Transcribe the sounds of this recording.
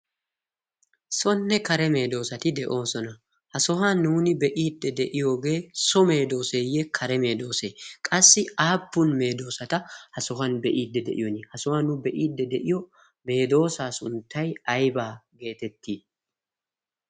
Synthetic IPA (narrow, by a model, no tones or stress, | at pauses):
sɔnːɛkɐɾɛme̞ːd̪o̞ːsɐt̪ɪd̪ɛʔo̞ːsɔnɐ | hɐsɔɦɐnuːnɪbɛʔiːd̪ːɛd̪ɛʔɪjoːɡe̞ːsɔme̞ːd̪o̞ːseːjekʰɐɾɛme̞ːd̪o̞ːseːkʼɐsːɪaːpːʊnme̞ːd̪o̞ːsɐt̪ɐhɐsɔɦɐnbɛʔiːd̪ːɛd̪ɛ̰ʔɪjɔnɪhɐsɔhanʊbɛʔiːd̪ːɛd̪ɛʔɪjɔ | me̞ːd̪o̞ːsaːsʊnt̪ːɐjɐjbaːɡe̞ːt̪ɛt̪ːiː